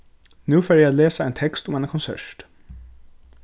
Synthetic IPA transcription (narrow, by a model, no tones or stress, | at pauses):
nʉːfeːjææleːsəæɪnt̪ʰɛkst̪ʊmɛːnəkʰɔnsœ̰ʂʈ